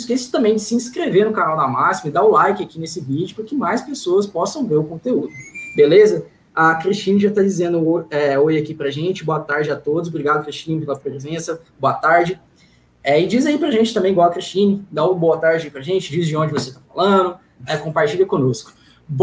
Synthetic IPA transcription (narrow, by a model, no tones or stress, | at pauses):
skesɪ̥t̪ɐ̃mbẽj̃d͡ʒ̪ɪ̥sɪĩskɾeveɾnʊkanawd̪amasimɐɪd̪aʊlajkɪakinesɪvid͡ʒʊpɾɐkɪmajspesoɐspɔsɐ̃w̃veɾʊkõnt̪eud̪ʊbelezɐ | akɾist͡ʃĩnɐʒat̪ad͡ʒizẽnd̪ʊɛojakipɾɐʒẽt͡ʃɪboɐt̪aɾd͡ʒɪat̪od̪ʊzobɾiɡad̪ʊkɾist͡ʃĩnɪpelɐpɾezẽsɐ | boɐt̪aɾd͡ʒɪ | ɛɪd͡ʒizaipɾɐʒẽt͡ʃɪt̪ɐ̃mẽɡwawɐkɾist͡ʃĩnɪd̪aʊboɐt̪aɾd͡ʒɪɐipɾɐʒẽt͡ʃɪd͡ʒizd͡ʒɪõd͡ʒɪvoset̪afalɐ̃d̪ʊ | ɛkõpaɾt͡ʃiʎɐkõnoskʊ̥